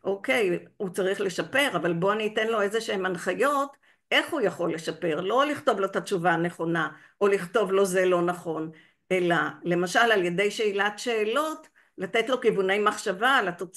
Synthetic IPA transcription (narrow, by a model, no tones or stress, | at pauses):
ʔo̞ke̞jut͡saʁiχle̞ʃape̞ʁavalbo̞aniːte̞nlo̞e̞zeʃeemanχajo̞t | e̞χhujaχo̞lːe̞ʃape̞ʁlo̞liχt̪o̞vlo̞t̪at͡ʃuvaːne̞χo̞na | o̞liχto̞vlo̞zelo̞naχo̞n | ʔe̞lale̞maʃalalje̞de̞jʃeilatʃe̞ːlo̞t | late̞tlo̞kivune̞jmaχʃavalat̪o̞